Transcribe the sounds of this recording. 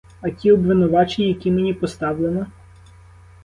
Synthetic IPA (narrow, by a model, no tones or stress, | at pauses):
ɐtʲiɔbʋɪnʊʋɑt͡ʃenʲjɐkʲimenʲipɔst̪ɑwlˠenɔ